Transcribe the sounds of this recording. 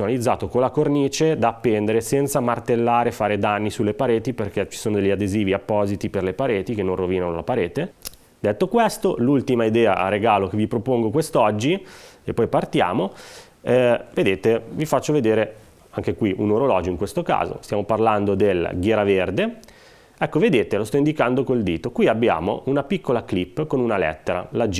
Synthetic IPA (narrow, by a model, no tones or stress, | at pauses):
onalid̪zːa̰ːt̪okolakorniːt͡ʃed̪aːpːend̪eɾesɛnt̪samart̪elːaːɾefaːɾed̪anːisulːepaɾeːt̪iperk̟ɛt͡ʃi̥soːnod̪eʎːad̪eziːviapːɔːzit̪iperlepaɾeːt̪ikenːõnroviːnanola̰paɾeːt̪e | d̪et̪ːokwest̪olult̪imaid̪ɛːa̰ɾeɡaːlok̟evipɾopoŋɡokwest̪ɔd͡ʒːiepːɔjpart̪ja̰ːmo | ɛved̪eːt̪evifat͡ʃːoved̪eːɾe | aŋk̟ekwiʔṵnoɾolɔːd͡ʒoiŋkwest̪oka̰ːzo̰st̪jaːmoparland̪od̪elɡjɛːɾaverd̪e | ɛkːoved̪eːt̪elost̪ɔind̪ikand̪okold̪iːt̪okwiabːja̰ːmo̰ʔunapikːolaklipːkonunalɛ̰t̪ːeɾa̰lad͡ʒ